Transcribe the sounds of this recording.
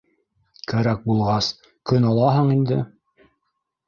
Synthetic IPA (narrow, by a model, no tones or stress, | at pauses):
kæɾæk̚bulˠʁɑs | kɵnɑlˠɑɦɤɴind̪ɘ